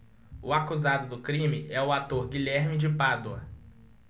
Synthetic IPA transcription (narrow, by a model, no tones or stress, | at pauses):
ʊakuzad̪ʊd̪ʊkɾĩmɪʔɛʊat̪oɾɡiʎɛɾmɪd͡ʒɪpad̪oɐ